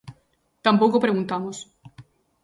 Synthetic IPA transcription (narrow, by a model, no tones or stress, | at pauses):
t̪ampokopɾe̞ɣunt̪amos